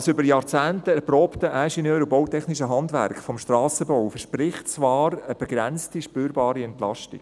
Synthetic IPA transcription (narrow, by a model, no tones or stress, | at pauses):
sʏbəɾjɑːɾt͡sæːntəɛɾproːptəʔæʃinøːɾubɔwtɛχniʃəɦɑndʋæ̰ɾkχfɔmʃtrɑːsəbɔwfəɾʃpɾɪχtt͡sʋɑːɾəb̥ɛɡ̥ɾɛnt͡stiʃpyːɾbɑːɾiɛntlɑ̰ʃtḭk